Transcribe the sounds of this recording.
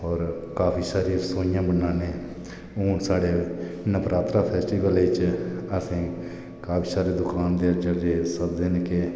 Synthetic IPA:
ɔːɾkaːpʰiːsaːɾisoːɪjãːbənaːneː | oːnsaːɽeː | nəpɾaːt̪ɾaːpʰɛːsʈiːʋəlet͡ʃəsĩː | kaːpʰiːsaːɾeːd̪ʊkaːnd̪eːd͡ʒəd͡ʒeːsəbd̪ɪnke

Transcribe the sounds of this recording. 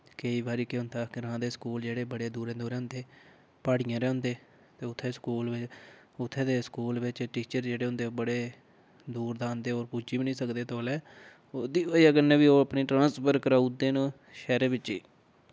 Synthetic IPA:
kəiːbaːɾiːkeʊnt̪ʰaːkɪɾãːd̪eːskuːld͡ʒeːɽeːbəɽeːd̪uːɾẽːd̪uːɾeːɦʊ̃nd̪eː | paːɽɪjãːɾɛːʊ̃nd̪eː | t̪eːʊt̪ʰːeːskuːlʋɪt͡ʃ | ʊt̪ʰːeːd̪eːskuːlʋɪt͡ʃʈiːt͡ʃəɾd͡ʒeːɽeːɦʊ̃nd̪eːbəɽeː | d̪uːɾd̪ãːnd̪eːoːɾpuːt͡ʃiːbinĩːsəkd̪eːt̪oːlɛː | oːd̪iːoiaːɡənːẽːʋiːoːəpniːʈɾãːspʰəɾkəɾaːud̪eːnũː | ʃɛːɾeːbɪt͡ʃːiː

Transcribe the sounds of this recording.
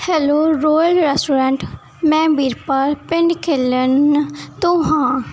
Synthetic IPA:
hɛːloːɾoːjəlɾɛːsʈuːɾɛ̃ːɳʈ | mɛ̃ːbiːɾpaɾpɪ̃ɳɖkʰeːlənt̪õːɦãː

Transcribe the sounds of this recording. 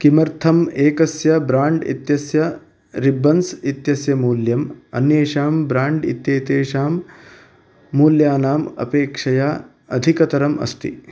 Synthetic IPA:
kimɐɾt̪ʰɐmeːkɐsjɐbɾaːɳɖḭt̪jɐsjɐ | ɾibːɐnsit̪jɐsjɐmuːljɐmɐ̰njeːʃaːmbɾaːɳɖḭt̪jɐːt̪eːʃaːm | uːljaːnaːmɐ̰peːkʂɐjaː | ɐd̪ʱikɐt̪ɐɾɐmɐ̰st̪ḭ

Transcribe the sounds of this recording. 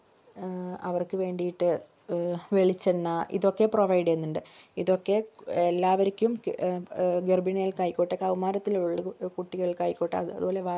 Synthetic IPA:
ɐ̰ʋɐrkɨʋe̞ːɳɖijiʈːɨ | ʋeɭit͡ɕːenːɐʔḭðo̞kːe̞proʋɐjɖenːuɳɖɨiðo̞kːe̞elːaːʋɐɾikʲːum | ɡerbineːjilkaːjikʲːoʈːɐkɐʋmaːɾɐt̪ːilɭːɨkuʈːiɣɐɭiɭkaːjikʲːoʈːɐɐɐ̰ðubo̞ːle̞ʋa

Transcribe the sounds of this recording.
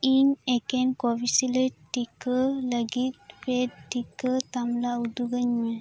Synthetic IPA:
inekenkobisiləʈikələɡit̪̚pedʈːikət̪amlaud̪uɡəɲme

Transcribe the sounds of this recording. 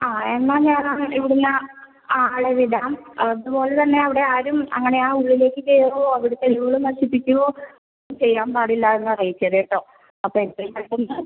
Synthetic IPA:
aːe̞nːaːɲaːnaːiʋiɽunːɐ | aːɭeʋiðaːmɐðupo̞ːlet̪ɐnːe̞ɐʋiɽe̞aːɾumɐ̰ŋːɐne̞aːuɭːile̞ːkːɨt͡ɕejrʋoːɐʋiɽet̪eɭiʋɣɐɭumːɐrɕipːikʲːuʋoː | nːumt͡ɕe̞jːaːmpaːɽilːaenːɨɐrɐjit͡ɕːɐðeːʈːoː | ɐpːoːet̪ːrɐmɐʈːunːɨ

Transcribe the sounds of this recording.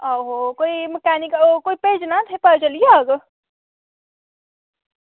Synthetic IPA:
əɦokoimekanikkoiped͡ʒnat̪ʰəpəd͡ʒəlijeːɡ

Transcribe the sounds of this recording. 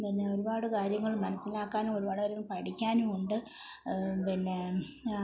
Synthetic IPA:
pinːe̞o̞ɾubaːɽɨkaːɾjɐŋːɐɭmɐnɐsːilaːkːaːnumo̞ɾubaːɽɨkaːɾjɐŋːɐɭpɐʈikʲːaːnuuɳɖɨ | pinːe̞

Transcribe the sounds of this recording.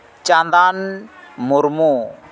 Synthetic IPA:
t͡ʃand̪anmuɾmu

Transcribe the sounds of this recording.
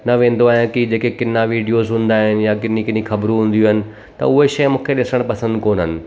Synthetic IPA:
nɐʋẽːn̆d̪oaːɦj̃kid͡ʑeːkekɪnːaʋiːɖijoːzɦũːn̆d̪aːɦɪnɪ̆jak̬ɪnikɪnixɐbɾũɦũːn̆d̪ijuɦɪnɪ̆ | t̪ɐ̰ʊɦeʃɐjmũːkʰeɗɪsə̃ɽ̃pɐsə̃nd̪koːnɦənɪ̆

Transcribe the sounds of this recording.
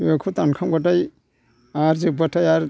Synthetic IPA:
ekʰɯt̪ankʰaŋbat̬aj | aɾzɯbatʰajaɾ

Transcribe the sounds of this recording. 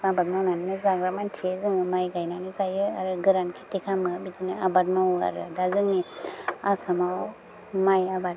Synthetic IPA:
abat̚mawnaninɯzaɡɾamantʰiezɯŋɯmajɡajnanizajɯaɾɯɡɯɾankʰi̥tikʰamɯbitiniabat̚nawa̰ɾɯdazɯŋniasamaw | majabat̚

